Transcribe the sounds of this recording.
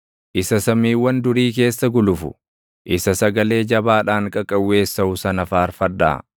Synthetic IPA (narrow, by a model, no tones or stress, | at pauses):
ʔɪsɐsɐmiːwːɐnd̪ʊɾiːk̬e̞ːsːɐɡʊlʊfʊ̰ | ʔɪsɐsɐɡɐle̞ːd͡ʒɐbaːᶑaːŋkʼɐkʼɐwːe̞ːsːɐʊsɐnɐfaːɾfɐd̪ːa̰ː